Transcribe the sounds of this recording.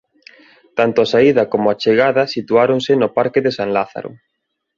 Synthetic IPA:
t̪ant̪ʊasaiðɐkomʊat͡ʃeɣaðɐsit̪uaɾonsenopaɾkɪðesaŋlaθa̰ɾo̰

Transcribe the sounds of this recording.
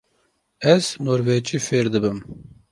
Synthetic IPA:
ɛznoːɾvɛt͡ʃiːfeːɾd̪ɨbɨm

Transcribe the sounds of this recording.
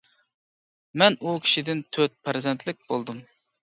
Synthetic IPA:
mɛnukʲʰi̥ʃid̪ɪnt̪ʰøt̪̚pʰæɾzɛnt̪ʰlɪk̚ʲb̥olˠd̪um

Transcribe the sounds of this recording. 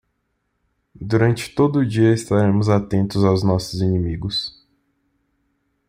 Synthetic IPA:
d̪uɾɐ̃nt͡ʃɪ̥t̪od̪ʊːd͡ʒiɐɪst̪aɾẽmʊzat̪ẽnt̪ʊzawznɔsʊzinĩmiɡʊs

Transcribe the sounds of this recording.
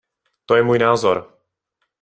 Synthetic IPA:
t̪ojɛmuːjnaːzoɾ

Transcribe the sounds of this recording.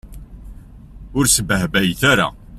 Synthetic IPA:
ʊɾsəbəɦbæjθaɾa̰

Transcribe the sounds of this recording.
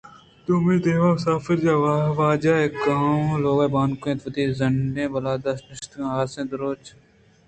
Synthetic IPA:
t̪umiːd̪eːʋaːmʊsaːfɪɾd͡ʒaːʋaʋaːd͡ʒaːekaloːɡabaːnkoẽt̪ʋɐt̪iːzɐɳɖẽːbɐlaːd̪ɐsnɪʃt̪ãɦaːsẽːd̪ɐɾoːt͡ʃ

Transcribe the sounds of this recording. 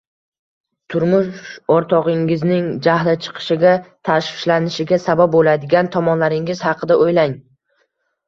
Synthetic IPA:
t̪ʰʊɾmʊʃɒɾt̪ʰɒʁɪŋɪznɪŋd͡ʒahlɪt͡ʃʰɨ̥qʰɨ̥ʃɪɡʲat̪ʰaʃfɪʃlanɪʃɪɡʲasabap̚bolad̪ɪɡʲant̪ʰɒmɒnlaɾɪŋɪz̥hɑqʰɨd̪aʔojlaŋ

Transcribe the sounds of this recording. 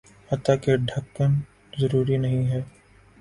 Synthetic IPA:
ɐt̪akeɖʱɐkːən | zɐɾuːɾinɐɦĩɦɛː

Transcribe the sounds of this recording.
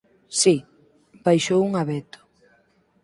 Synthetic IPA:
si | bajʃowuŋaβɛt̪ʊ̥

